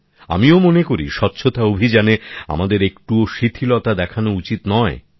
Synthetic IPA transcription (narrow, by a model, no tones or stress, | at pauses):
a̰miomonekoɾḭʃɔtːɕʰot̪aobʱid͡ʑanea̰mad̪eɾekʈuoʃit̪ʰilɔt̪ad̪ɛkʰanout͡ɕit̪nɔe